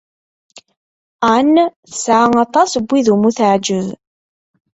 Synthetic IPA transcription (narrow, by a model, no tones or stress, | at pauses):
anθə̥sʕaŋɑt̪ˤɑsbʷːiðumuθəʕd͡ʒəð